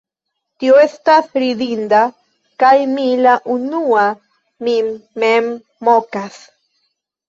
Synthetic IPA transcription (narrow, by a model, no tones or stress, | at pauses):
t̪ioest̪aθɾid̪ind̪a | kajmilaʔunua | mimːemː | okas